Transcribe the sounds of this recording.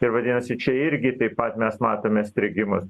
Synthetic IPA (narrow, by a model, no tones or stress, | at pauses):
ɪɾʋɐd̪ʲɪːnɐsʲɪt͡ʃʲɛɪɾʲɡʲɪt̪ɐɪpɐt̪mʲɛsmɑːt̪oːmʲɛsʲt̪ʲɾʲɪɡʲɪmʊs